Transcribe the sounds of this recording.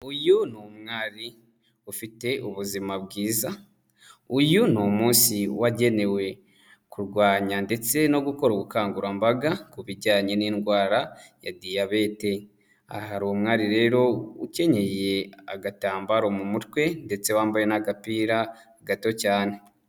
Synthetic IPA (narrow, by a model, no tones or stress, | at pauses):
ujunomŋaːɾi | ufite̞ʔuβuzimabɡiːza | ujunomuːnsiwaɟe̞ne̞we̞ | kuɾɡwaːɲande̞t͡se̞no̞ɡuko̞ɾoɡukaːŋɡuɾambaɡakuβiɟaːɲe̞niːnɡwaːɾaja̰dijaβe̞te̞ | a̰haɾomŋaːɾiɾe̞ːɾo̞uce̞ɲe̞je̞aɡataːmbaɾomumutwe̞nde̞t͡se̞waːmbajenaɡapiːɾa | ɡato̞caːne̞